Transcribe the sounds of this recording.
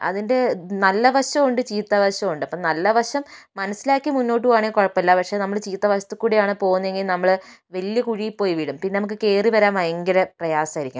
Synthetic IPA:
ɐ̰ðinde̞nɐlːɐʋɐɕɐmoɳɖɨt͡ɕiːt̪ːaʋɐɕɐmuɳɖɨɐpːonɐlːɐʋɐrʂɐmːɐnɐsːilaːkːimunːo̞ːʈ̬ːɨaːɳeːkoɻɐpːɐlːɐpɐkʂenɐmːɐɭt͡ɕiːt̪ːɐʋɐɕɐt̪ːɨkːuːɽijaːɳɨpo̞ːɣunːɐe̞ŋɡilnɐmːɐɭʋɐlijɐkuɻijpːoːjiʋiːɽumpinːe̞nɐmukːɨke̞ːriʋɐɾaːmɐjɐŋɡɐɾɐprɐjaːsaːjiɾikʲːṵm

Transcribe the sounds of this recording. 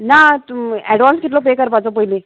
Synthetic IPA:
nat̪ɛɖʋanskit̪lɔp̬ekəɾpat͡sɔpəɦili

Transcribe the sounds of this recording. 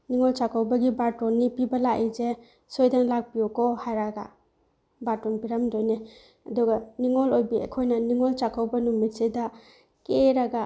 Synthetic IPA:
niŋɔlt͡ʃakʰawbɐɡibaɾtɔnːipibɐlaʔeze | sojdaŋlak̚pijɔkɔhajɾaɡa̰ | batɔnpiɾamdojne | ɐduɡaniŋɔlojbiḛkʰojnɐniŋɔlt͡ʃakʰawbɐnumitseda | keɾaɡa

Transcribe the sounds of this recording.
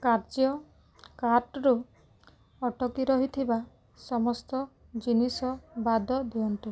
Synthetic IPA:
kaɾd͡ʒjɔ | kaɾʈɾu | ɔʈʰɔkiɾɔɦit̪ʰiba | sɔmɔst̪ɔ | d͡ʒinisɔbad̪ɔd̪iɔnt̪i

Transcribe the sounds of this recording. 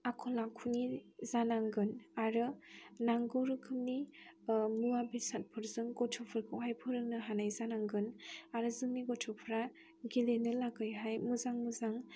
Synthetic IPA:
akʰɔlakʰunizanaŋɡɯnaɾɯnaŋɡɔɾɯkʰɯmni | muwabisat̚pʰɯɾzɯŋɡɔtʰɔpʰɯɾkʰɯwɦajpʰɯɾɯŋ̚nɯɦanajzanaŋɡɯnaɾɯzɯŋniɡɔtʰɔpʰɾa | ɡilenɯlaɡɯjɦajmuzaŋmuzaŋ

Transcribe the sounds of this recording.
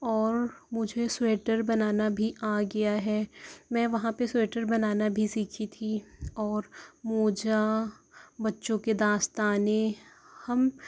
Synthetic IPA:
ɔːɾmʊd͡ʒʱesweːʈəɾbɐnaːnabʱiʔaːɡɐjaɦɛːmɛ̃ːʋɐɦãpesweːʈəɾbɐnaːnabʱisiːkʰit̪ʰiɔːɾmoːd͡ʒa | bɐtːʃõked̪aːst̪aːnehɐm

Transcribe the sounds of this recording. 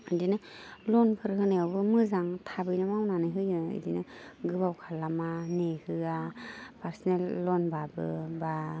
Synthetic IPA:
ɯdinɯlɔnpʰɯɾhɯnaawbɯmɯzaŋtʰabɯjnɯmawnanɯɦɯjɯɯ̰dinɯɡɯbawkʰalːamanehɯapʰaɾsɔnelːɔnbabɯ̰ba

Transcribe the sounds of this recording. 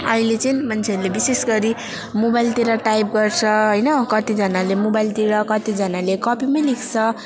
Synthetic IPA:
ʌɦilet͡sʌĩmʌnt͡sʰeʌɾulebisesɡʌɾi | mobajlt̪iɾʌʈajp̚ɡʌrt͡sʰʌɦʌjnʌkʌt̪id͡zʌnalemobajlt̪iɾʌkʌt̪id͡zʌnalekʌpimʌjlikʰt͡sʰʌ

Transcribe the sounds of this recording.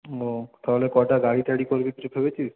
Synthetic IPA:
ot̪aɦolekɔʈaɡaɽitaɽikoɾbibʰʱebet͡ɕʰis

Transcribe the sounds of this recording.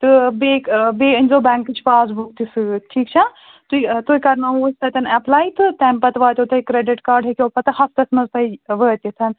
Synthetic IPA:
t̪ɨbeːkbeːɨnʲzoːbɛ̃ːŋkːɨt͡ʃʰpaːzbukt̪isɨʈʰiːkt͡ʃʰa | t̪uit̪uikɐɾnaost̪ɐt̪ʲɐnɛplaːjt̪ʰɨt̪ɛːmpɐt̪ʋaːt̪ʲot̪ʰɐikɾeɖiʈkaːɾɖɦekʲoːpɐt̪ɨhɐst̪ɐsmɐzpʰɐjʋəːt̪it̪ʰɐn

